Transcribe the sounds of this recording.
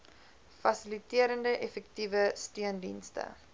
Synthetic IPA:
fɐsilitiəɾəndəʔɛfɛk̚tivəstiəndḭnstə̰

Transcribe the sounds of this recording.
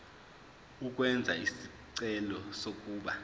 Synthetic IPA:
uk̬ʼwɛnd͡zʱaisi | ǀɛlɔsok̬ʼuːɓa

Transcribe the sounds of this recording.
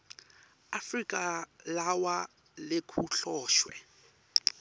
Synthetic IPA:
afrikʼalawa | lɪkʰuɬɔːʃwɛ̰

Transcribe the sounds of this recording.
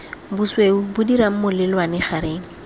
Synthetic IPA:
busweʊbʊdiɾam̩mʊlɪlwanɪχaɾeːŋ̩

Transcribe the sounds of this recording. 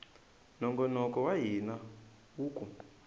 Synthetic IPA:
nɔŋɡɔnɔkɔwaɦina | wuːkʼu

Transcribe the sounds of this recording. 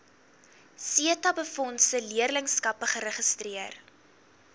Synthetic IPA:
siətɐbəfɔntsəliərləŋskɐpəχəɾəχəstriər

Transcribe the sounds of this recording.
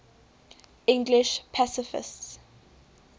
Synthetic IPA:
ɪ̃ŋɡlɪʃpʰasɪfɪ̰sts

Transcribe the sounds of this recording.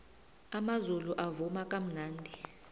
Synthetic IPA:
amazuluʔavumakʼam̩naːndʱi

